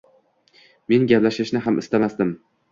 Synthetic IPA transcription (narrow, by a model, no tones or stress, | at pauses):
me̞nɡʲaplaʃɪʃnɪɦamʔɪ̰st̪amasd̪ɪm